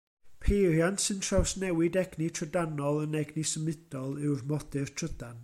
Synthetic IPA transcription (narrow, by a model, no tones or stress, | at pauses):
pʰejrjantsɨntʰrawsnɛwɪdɛɡnitʰrədanɔlˠənɛɡnisəmɪd̥ɔlˠɨwrmɔd̥ɨrtʰr̥əd̥an